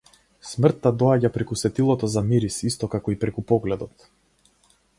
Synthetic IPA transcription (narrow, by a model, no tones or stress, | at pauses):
smr̩t̪ːad̪ɔaɟapɾɛkusɛt̪ilˠɔt̪ɔzamiɾisist̪ɔkakɔipɾɛkupɔɡlɛd̪ɔt̪